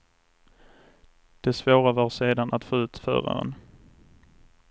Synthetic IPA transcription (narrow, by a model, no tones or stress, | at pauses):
d̪̥ɛsvoːɾavɑːɾseːd̪anat̪foːʉ̟ːt̪fœ̰ːɾa̰ɾə̰n